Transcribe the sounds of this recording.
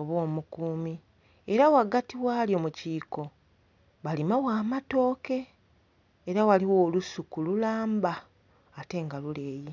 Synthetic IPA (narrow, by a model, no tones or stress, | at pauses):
oβo̞ːmukuːmi | e̞ɾawaɡatiwaːljo̞muciːko̞ | βalimawaːmato̞ːke̞ː | ɾawaliwo̞ːlusukululaːmbaː | te̞ŋɡalule̞ːji